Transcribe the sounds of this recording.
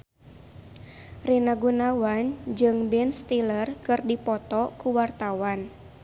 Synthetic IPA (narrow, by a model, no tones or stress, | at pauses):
rinaɡunawand͡ʒɨŋbɛnst̪ilərkɨrdipɔt̪ɔkuwart̪awan